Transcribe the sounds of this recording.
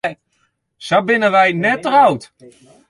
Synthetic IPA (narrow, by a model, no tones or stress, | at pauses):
sabɪnəʋɛjnɛtːərawt